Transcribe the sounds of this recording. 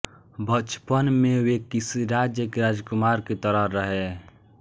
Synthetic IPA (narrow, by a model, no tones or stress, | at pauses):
bət͡ʃpənmewekːisiɾad͡ʒjəkeɾad͡ʒkumaɾket̪əɾəɾəɦe